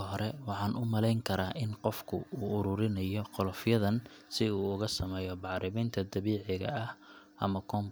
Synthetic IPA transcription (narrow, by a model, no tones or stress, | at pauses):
ɦɔɾɛwɑħɑːnʔʊmɐlɛjŋkʰɐɾaːʔɪnqɔfkʰʊ̰uːʊɾʊːɾɪnɐjɔqɔlɔfjɐðɐn | sɪuːʊɣɐsɐmɛːjɔbɑʕɾɪmɛnt̪ʰɐd̪ɐβiːʕɪɣɐ̰ɐhʔɐmɐkʰɔːm